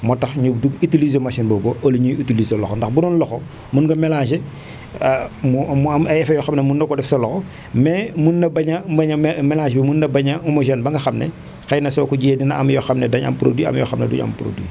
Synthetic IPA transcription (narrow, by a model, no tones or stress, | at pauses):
mɔtɐxɲub̚duɡitilizomaʃinbɔboʔɐluɲijitilizolɔxɔndɐxbunɔnlɔxɔ | munɡɐmɛlaʃe | mumɐjɛfɐjɔxɐmnɐmunːɐkɔdɛfsɐlɔxɔ | mɛmunːɐbɐɲɐɐɲmɛlaːʃbimunːɐbɐɲɐɔmɔʒɛnbɐŋɡɐxɐmnɛ | xɐjnɐsɔːkuɟijedinɐɐmjɔxɐmnɛdɐɲɐ̰mpɾo̰dwiɐ̰mjɔ̰xɐmnɛ̰dṵɲɐ̰mpɾo̰dwḭ